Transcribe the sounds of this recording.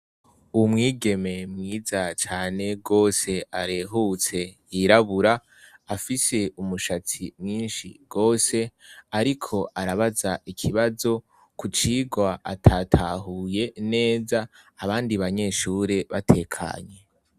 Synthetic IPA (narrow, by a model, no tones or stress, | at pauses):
umŋiːɡe̞me̞mŋiːzat͡ʃaːne̞ɡo̞ːse̞ʔaɾe̞ɦut͡se̞ | iɾaβuɾaː | fise̞umuʃat͡simŋiːnʃḭɡ̥o̞ːse̞aɾikʰo̞ʔaɾaβazaʔikʰiβazo̞ | kut͡ʃiɡwaatʰatʰaɦuje̞ne̞ːzaː | βaːndiβaɲe̞ʃuːɾe̞βatʰe̞kʰa̰ɲe̞